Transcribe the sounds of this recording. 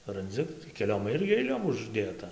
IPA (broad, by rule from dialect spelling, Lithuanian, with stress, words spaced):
rɐnʲˈd͡zʲɪ kʲɛˈlʲoːm ˈɪrʲɡʲɪ ɐɪˈlʲoːm ʊʒʲˈdʲeːtɐ